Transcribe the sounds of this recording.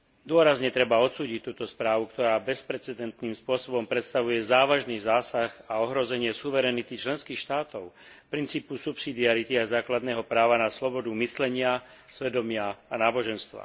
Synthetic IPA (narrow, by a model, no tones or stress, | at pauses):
d̪ʊɔɾazɲɛt̪ɾɛbaɔt̪suːɟict̪uːt̪ɔspɾaːʋukt̪ɔɾaːbɛspɾɛt͡sɛd̪ɛnt̪niːmspʊɔsɔbɔmpɾɛt̪st̪aʋujɛzaːʋaʒniːzaːsaxaɔɦɾɔzɛɲɪɛsuʋɛɾɛnit̪it͡ʃlɛnskiːxʃt̪aːt̪ɔʊ | pɾint͡siːpusupsid̪iaɾit̪iazaːklad̪nɛːɦɔpɾaːʋanaslɔbɔd̪umislɛɲɪasʋɛd̪ɔmɪaːnaːbɔʒɛnst̪ʋa̰